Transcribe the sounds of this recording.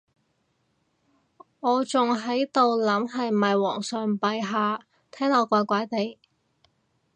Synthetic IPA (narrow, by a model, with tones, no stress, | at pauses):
ŋɔː˨˧t͡sʊ˨ŋɦɐ˨˥jt̪o˨wlɐ˨˥mɦɐ˨jmɐ˨jwɔː˨˩ŋsœː˨ŋpɐ˨jɦaː˨˧ | t̪ʰɛː˥ŋɔː˨˧kʷaː˨˥kʷaː˨˥jt̪e˨j